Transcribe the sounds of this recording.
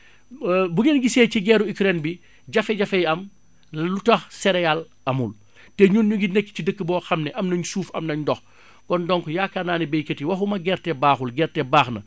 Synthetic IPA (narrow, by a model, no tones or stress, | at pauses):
buɡeːnɡisɛːciɡɛːɾuikɾɛnbi | ɟɐfɛɟɐfɛjɐm | lutɐxsɛɾɛjal | ɐmul | tɛɲuːnɲuɡinekːcidəkːəbɔːxɐmnɛʔɐmnɐɲsuːfɐ̰mnɐɲdɔx | kɔndɔŋkjakanaːnɛbejkətiwɐfumɐɡɛɾtɛbaːxulɡɛːɾtɛbaːxnɐ̰